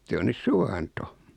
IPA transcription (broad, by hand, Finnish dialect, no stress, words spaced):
se on nys suwɑnto